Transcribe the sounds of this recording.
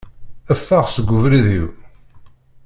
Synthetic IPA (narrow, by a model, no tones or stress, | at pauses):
æfːaʁsəɡʷːʊvɾiðiw